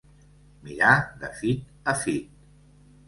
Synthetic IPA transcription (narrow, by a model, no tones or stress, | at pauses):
miɾaðəfit̪̚ | əfit̪̚